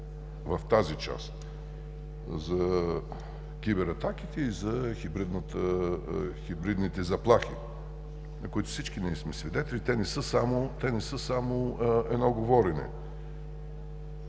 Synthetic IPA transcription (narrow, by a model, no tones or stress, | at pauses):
vɐft̪azit͡ʃa̰st̪ | zɐ | kʲibɛɾɐt̪akit̪ɛizɐxʲibɾid̪nət̪ə | xʲibɾid̪nit̪ɛzɐplˠaxi | nɐkʊit̪ʊ̥sit͡ʃkinɛismɛsvid̪ɛt̪ɛlʲit̪ɛnɛsɤsamʊt̪ɛnɛsɤsamoɛ̰d̪nɔɡovɔɾɛnɛ̰